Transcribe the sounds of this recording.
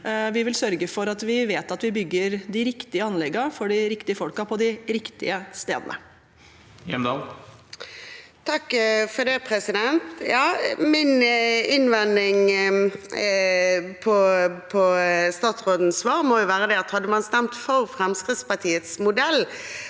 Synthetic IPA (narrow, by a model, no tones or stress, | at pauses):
ʋɪʋɪlsœɾɡəfɔɾɑt̪ʋɪʋeːt̪ɑt̪ʋɪbʏɡːəɾd̪ɪɾɪkt̪ɪəɑnlɛɡəfɔɖɪɾɪkt̪ɪəfɔlkɑpʰɔd̪ɪɾɪkt̪ɪ̰əst̪ḛːd̪ənʔə̰ | jɛmd̪ɑ | t̪ʰɑkːfɔd̪ɛpʰɾɛsɪd̪ɛnt̪jɑːmɪnɪnʋɛnd̪ɪŋ | pʰɔpʰɔst̪ɑːt̪sʁoːd̪n̩sʋɑːɾmojʊʋæːɾəd̪ɛɑt̪hɑd̪ːəmɑnst̪ɛmt̪fɔɾfɾɛmskɾɪt̪spɑt̪ʰiːət̪smʊd̪ɛlː